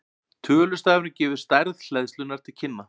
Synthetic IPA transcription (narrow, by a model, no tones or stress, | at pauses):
t̪ʰœːlʏst̪aːvʏɾnʏcɛːvʏɾ̥st̪ajɾðl̥ɛðst̪ʏnːaɾ̥t̪ʰɪlcʰɪnːa